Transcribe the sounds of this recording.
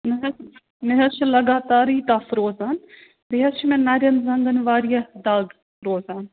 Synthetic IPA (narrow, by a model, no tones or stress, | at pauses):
nɦ | nɪɦɐʃlɐɡaːt̪aːɾiːt̪aːfɾoːzaːn | bɪɦɐʃmẽnɐɾjɐnzɐ̃ŋɡənʋaːɾijɐd̪aːɡ | ɾoːzaːn